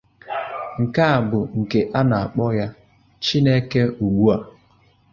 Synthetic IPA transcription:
ŋ̩˨ka˦a˨bʊ˨ŋ̩˨ke˨ʔa˦na˨a˨k͡pɔ˦ja˦ | t͡ʃi˦ne˦ke˦u˨ɡ͡bu˦a˨

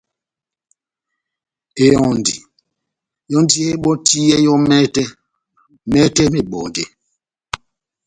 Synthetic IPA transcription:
e˨ɔ̃˨ndi˨ | jɔ˦ndi˦e˦ɓɔ˦ti˦ɛ˦jɔ˦mɛ˦tɛ˦ | mɛ˦tɛ˦mi˨ɓɔ˨ndḛ˨

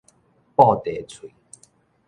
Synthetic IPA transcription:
pɔ˥˧t̪e˨˩˦t͡sʰwi˨˦

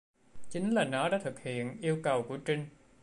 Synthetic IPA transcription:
t͡ɕi˨˦ŋ̟laː˨˩nɔ˨˦ɗaː˧˥t̪ʰɨ˨˩k̚hḭ˧˨ənʔi˧əwkə˨˩wku˧˩ət͡ɕï˧ŋ

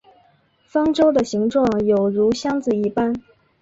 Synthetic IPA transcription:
fɑ˥ŋʈ͡ʂo˥ʊd̪ə˨ɕi˧˥ŋʈ͡ʂwɑ˥˩ŋjo˨˩ʊɻu˧˥ɕjɑ˥ŋt͡sɹ̩˨˩i˧˥pa˥n

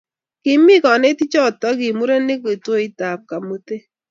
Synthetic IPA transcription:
kɪ˨mɪ˦kɔ˨ne˦ti˦t͡ʃɔ˦˨tɔ˦kɪ˨mu˦ɾe˦ne˦ko˨to˦i˦ta˨p̚ka˨mo˦te˦

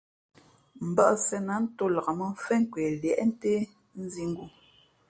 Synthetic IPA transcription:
m̩˨ba˦ʔsɛ˨na˨˦n̩˦to˦la˨ɣa˨mə˦fɛ˦ŋ˦kwe˨ljɛ̰˦˨ʔn̩˦te˦ | n̩˦zi˦ŋ̩˦ɡu˦

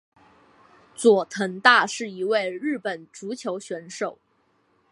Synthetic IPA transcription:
t͡swɔ˨˩t̪ʰə˧˥ŋt̪a˥˧ʂɻ̩˥˩i˧˥we˥˧ɪɻɻ̩˥˩pə˨˩nʈ͡ʂu˧˥t͡ɕʰjo˧˥ʊɕɥɛ˧˥nʂo˨˩ʊ

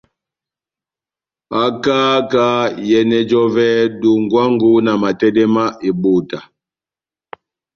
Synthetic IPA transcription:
a˨kaː˦ka˦jɛ˨nɛ˨d͡ʒɔ˦vɛ˦du˨ŋɡwa˦ŋɡu˦na˨ma˨tɛ˦dɛ˦ma˦ʔe˨ɓo˦˨ta˨

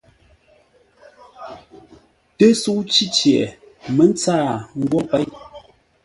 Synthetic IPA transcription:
tə˦su˦ʔt͡ʃi˦t͡ʃjɛ˨mə˦n˦t͡saː˦˨ŋ̩˦ɡwɔ˦pɛ˨˦j

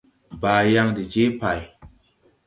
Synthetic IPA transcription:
baː˨ja˦ŋdi˨d͡ʒe˦pa˨j

